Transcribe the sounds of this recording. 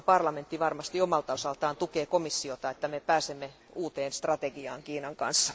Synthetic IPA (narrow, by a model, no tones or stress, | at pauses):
pɑrlɑment̪ːiʋɑrmɑst̪iomɑlt̪ɑosɑlt̪ɑːnt̪ukeːkomisːiot̪ɑet̪ːæmepæːsemːe | uːt̪eːnst̪rɑt̪eɡiɑːŋkiːnɑŋkɑ̰nsːɑ̥